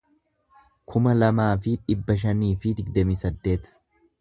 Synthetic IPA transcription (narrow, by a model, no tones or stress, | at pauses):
kʰʊmɐlɐmaːfɪᶑɪbːɐʃ̬ɐniːfɪd̪ɪɡ̚d̪ɐmiːsɐd̪ːe̞ːt̪